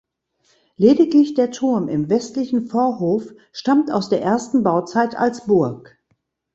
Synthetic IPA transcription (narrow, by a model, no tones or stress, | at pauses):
leːdɪklɪçd̥eːɐtʰʊɐmɪmvɛstlɪçn̩foːɐɦoːf | ʃtamta̰ʊsd̥eːɐʔeːɐstn̩baʊt͡saɪta̰lsb̥ʊɐk